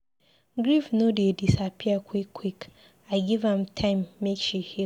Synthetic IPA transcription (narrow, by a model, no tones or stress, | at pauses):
ɡɾifnõdiedisapʰiakʰwikʰːwik | aɪɡivãmtʰãɪ̃mːekʃuhi